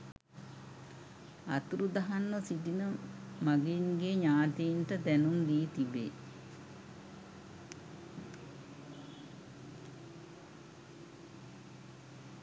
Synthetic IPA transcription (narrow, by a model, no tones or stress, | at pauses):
a̰t̪uɾud̪aɦanːəsiʈinəmaɡeinɡeɲaːt̪ijinʈət̪ɛnund̪iːt̪ibḛ